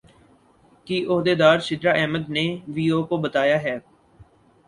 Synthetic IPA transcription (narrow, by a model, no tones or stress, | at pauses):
kɪʔʊɦd̪eːd̪aːɾʃɪd̪ɾaːʔɛːməd̪neːʋiːoːkobət̪aːjaːɦɛː